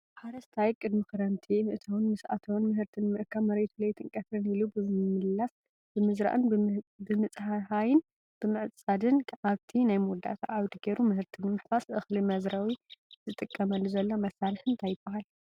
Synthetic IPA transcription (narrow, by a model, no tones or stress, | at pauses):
ħaɾɐst̪ʰajkʼɨd̪mikɨɾɐnt̪ʰimɨʔɨt̪ʰɐwnmɨsa̰t̪ʰownmɨhɨɾt̪ʰɨnmɨʔɨkʰːaβmɐɾet̪ʰulɐjt̪ʰɨnkʼɐt̪ʰɾɨnilubɨmɨlːas | b̥ɨmɨzɾa̰ʔɨnbɨmɨt͡sʼhaħajɪn | b̥ɨmɨʕt͡sʼad̪ɨnaβt̪ʰinajmud̪a̰t̪ʰa̰ʔawd̪iɡeɾumɨhɨɾt̪ʰɨnɨmɨħfasʔɨxlimɐzɾawizɨt̪ʼɨkʼːɐmɐlːuzɐlːo̞mɐsːalɨħɨnt̪ʰajɪbːahal